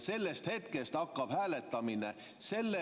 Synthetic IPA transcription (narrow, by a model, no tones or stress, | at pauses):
se̞lːest̪he̞t̪kest̪ɑkːɑb̥hæːlet̪ːˑɑmine | se̞lːe